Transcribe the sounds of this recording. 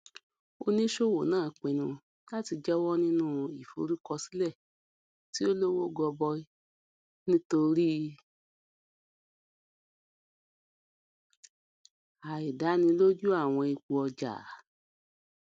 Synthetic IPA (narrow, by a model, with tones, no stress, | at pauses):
o˧nĩ˦ʃo˦˨wo˨nãː˦˨k͡pẽ˨nũ˧ | la˦ti˧d͡ʒɛ˦wɔ˦nĩ˦nũ˦i˨fo̰˨˦ɾi˦kɔ˧si̥˦lɛ˦˨ | ti˦o˦lo˦wo˦ɡɔ˧bɔ˧ | nĩ˦to˧ɾi˦ | a˨i˨da˨˦nĩ˧lo˦d͡ʒu˦a˦˨w̃ɔ̃˧i˧k͡pu˧ɔ˧d͡ʒa̰˨a˨